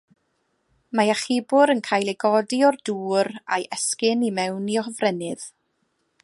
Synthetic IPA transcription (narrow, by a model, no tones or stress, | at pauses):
majaχɪbʊɾənkʰaːjlˠeɡɔdiɔrduːɾajʔɛskɪnimɛwniɔhəvrɛnɪð̥